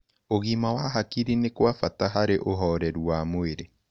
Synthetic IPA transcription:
oɣimawaɦakiɾinekwafataɦaɾeʔoɦɔːɾɛɾwamoeɾe

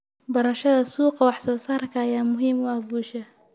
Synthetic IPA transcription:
bɐɾɐʃɐðɐsuːqɑwɑħsɔːsaːrkʰɐːjaːmʊɦiːmʊaɡuːʃɐ

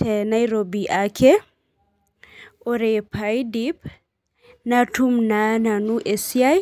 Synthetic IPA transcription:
tɛnajɾobiʔakʰɛ | ɔɾɛpʰajdip | natʰumnananuʔesiaj

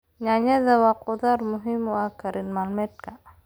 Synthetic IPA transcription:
ɲaɲazawaqod̪aɾmuɦimuakaɾinmalmet̚ka

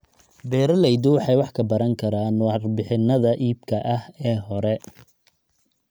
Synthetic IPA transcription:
bɛːɾɐlɛjd̪ʊwɑħɑjwɑħkʰɐbɐɾɐŋkʰɐɾaːnrbɪħɪnɐðɐʔiːb̚kʰɐʔɐhɛːɦɔɾɛ

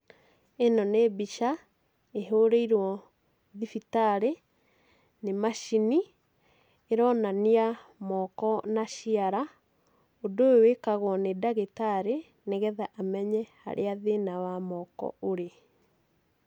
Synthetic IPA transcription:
enɔnebiʃa | eɦoɾeiɾwɔ | ðifitaɾe | nemaʃini | eɾɔnaniamɔkɔnaɕiaɾa | odoewekaɣwɔnedaɣetaɾe | neɣɛðaʔamɛɲɛha̰ɾʔḛaðenawamɔkɔ̰ʔoɾe

